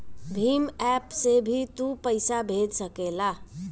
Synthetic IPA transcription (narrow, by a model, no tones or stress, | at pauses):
bʱimɛpsebʱit̪upəɪsabʱed͡ʒsəkela